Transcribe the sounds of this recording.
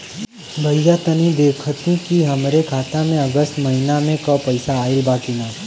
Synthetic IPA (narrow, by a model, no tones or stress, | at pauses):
bʱəijat̪ənĩd̪eːkʰət̪ĩkiɦəmɾekʰaːt̪amẽəɡəst̪məɦinamẽkəpəɪsaːelbaːkina